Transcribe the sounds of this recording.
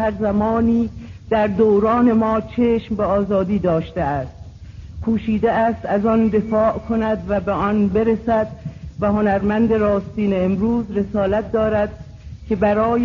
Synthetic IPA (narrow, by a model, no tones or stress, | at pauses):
æɾzæmɒːniːd̪̥æɾd̪oːwɾɒːne̞mɒːt͡ʃʰeːʃmbeɒːzɒːd̪iːd̪ɒːʃt̪eæːst̪̚ | kʰuːʃiːd̪eæːst̪æzɒnd̪e̞fɒːʔkʰo̞næd̪væbeʔɒnbe̞ɾesæd̪væho̞næɾmænd̪e̞ɾɒːst̪iːneːmɾuːzɾe̞sɒːlæt̪̚d̪ɒːɾæd̪̥ | cʰe̞bæɾɒːj